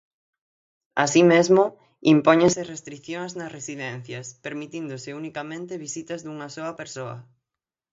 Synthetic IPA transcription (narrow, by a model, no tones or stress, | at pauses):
asimezmʊ | impoɲẽsɪrest̪ɾiθjoŋznɐsresiðɛn̟θjɐspeɾmit̪ind̪ʊsɪunikamẽnt̪ɪβisit̪ɐzðuŋɐsoɐpeɾsoɐ̰